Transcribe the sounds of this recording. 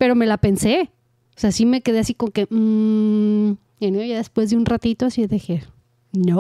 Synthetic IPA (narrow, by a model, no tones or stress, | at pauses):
pe̞ɾo̞me̞lape̞nse̞ | oseasime̞ke̞ðe̞asiko̞moke̞m̩ | aniaʝaðespwe̞zðeunrat̪it̪oasiðexeɾ | no